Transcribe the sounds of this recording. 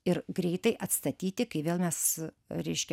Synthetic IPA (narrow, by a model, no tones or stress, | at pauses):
ɪɾɡɾʲɛɪt̪ɐɪʔɐt̪st̪ɐt̪ʲiːt̪ʲɪkɐɪʋʲeːlˠmʲɛs | ɾʲɛɪʃʲkʲɛ